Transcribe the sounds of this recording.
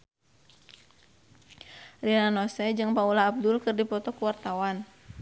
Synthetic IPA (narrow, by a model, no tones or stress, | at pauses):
rinanɔsɛd͡ʒɨŋpaulaːb̚dʊlkɨrdipɔt̪ɔkuwart̪awan